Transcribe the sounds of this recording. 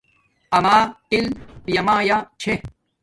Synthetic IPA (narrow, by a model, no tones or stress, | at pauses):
ɐmaːtilpijɐmaːjat͡ɕʰe